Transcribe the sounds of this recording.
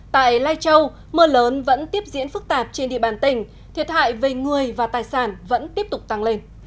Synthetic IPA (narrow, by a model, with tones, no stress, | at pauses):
t̪a̰ː˧˨jlaː˧jt͡ɕə˧w | məː˧ləː˨˦nvə̰˧˥nt̪i˦˥əp̚zḭ˧˥ənfɨ˦˥k̚t̪aː˨˩p̚t͡ɕe˧nɗḭ˧˨əɓaː˧˩nt̪ï˨˩ŋ̟ | t̪ʰi˨˩ət̚ha̰ː˧˨jve˨˩ŋɨ˨˩əjvaː˨˩t̪aː˨˩jsaː˧˩nvə̰˧˥nt̪i˦˥əp̚t̪ʊ˨˩k͡p̚t̪a˧ŋle˧n